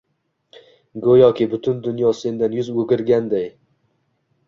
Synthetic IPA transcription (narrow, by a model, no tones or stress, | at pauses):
ɡojɒkʲɪbʊt̪ʰʊnd̪ʊnjɒse̞nd̪anjʊzɵɡʲɪɾɡʲand̪aj